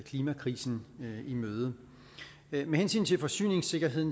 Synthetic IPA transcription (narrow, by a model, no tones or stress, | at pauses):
kʰliːmækʰʁḭːsn̩imøːð̞ˠə | mehensy̰ːnt͡sʰe̝lfɒ̽sy̰ːne̝ŋse̝ɡ̥ɐɦe̝ð̰ˠn